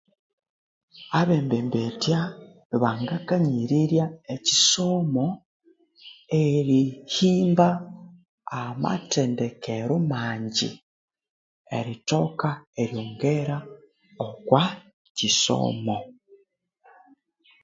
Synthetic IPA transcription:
aβeːmbeːmbetja | βaŋɡakaɲiɾiɾjaeciso̞mo | eɾihiːmba | ama̰tendekeɾomaːɲɟḭ | ḛɾito̞kaeɾjoːŋɡeɾa | okwa | ciso̰ːmo

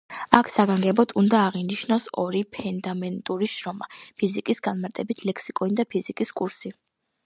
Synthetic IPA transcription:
akʰsaɡaŋɡɛbɔd̪ʰund̪aːʁiniʃnɔsɔ̰ɾipʰɛnd̪amɛnt̪ʼuɾiʃɾɔmapʰizikʼisɡanmaɾt̪ʼɛbit̪ʰlɛkʰsikʼɔnid̪apʰizikʼiskʼuɾsi

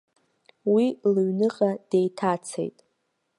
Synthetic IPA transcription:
wilɨɥnɨqʼad̥ejtʰat͡sʰḛjtʼ

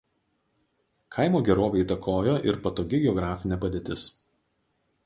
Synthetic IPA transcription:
kʰɐɪmoːɡʲɛɾoːʋʲɛit̪ɐkʰoːjoːʔɪ̰ɾpɐt̪oːɡʲɪɡʲɛɔɡɾɑːfʲɪnʲɛːpɐd̪ʲeːt̪ʲɪs

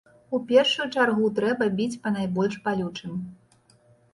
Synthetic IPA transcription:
upʲɛrʂujut͡ʂarɣut̪ɾɛbɐbʲit͡sʲpɐnajbɔlʲʂpalʲut͡ʂɨm

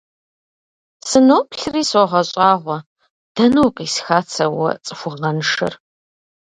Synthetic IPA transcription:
sɨnoːpɬriːsɔʁɐɕʼaːʁʷɔ | d̥ɐnuːqisxaːt͡sʰɐwɐ̰t͡sʼɨxʷʊʁɐnʂɐ̰r

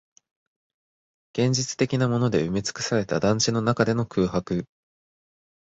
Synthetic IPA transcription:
ɡ̥ẽ̞ɲ̟d͡ʑit͡sɨ̥t̪e̞kʲinamo̞no̞d̪e̞ɯ̟met͡sɨ̥kɯ̟̥saɾe̞t̪a̰d̪ãɲʲd͡ʑino̞nakad̪e̞no̞kɯːɦakɯ̟

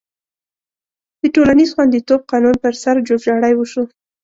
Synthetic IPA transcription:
d̪̥əʈolanizxwand̪it̪ob̚qɑnunpəɾsaɾd͡ʒobʒɑɽajwəʃu

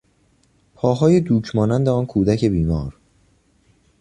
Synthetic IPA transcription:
pʰɒːɦɒːje̞d̪uːcʰmɒːnænd̪eɒːnkʰuːd̪æcʰe̞biːmɒːɾ

